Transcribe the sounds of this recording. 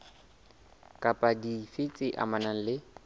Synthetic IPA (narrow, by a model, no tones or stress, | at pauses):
kʼapʼadifɪt͡sʼɪʔa̰manaŋ̩lɪ